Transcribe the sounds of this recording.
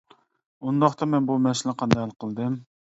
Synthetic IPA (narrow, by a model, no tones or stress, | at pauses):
und̪ɑχt̪ɑmɛnbumɛsɪlɪqʰɑnd̪ɑhælˠqʰəlˠd̪ɨm